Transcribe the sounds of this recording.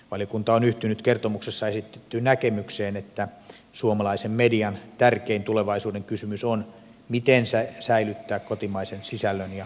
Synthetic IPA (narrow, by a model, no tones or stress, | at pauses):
ʋɑlijokunt̪ɑonyht̪ynyt̪kert̪omuksesːɑesit̪ːe̥t̪ːynækemykseːnet̪ːæ | suomɑlɑisemmediɑnt̪ærkeint̪uleʋɑisuːdeŋkysymyson | mit̪ensæsæilyt̪ːæːkkot̪imɑisensisælːønjɑ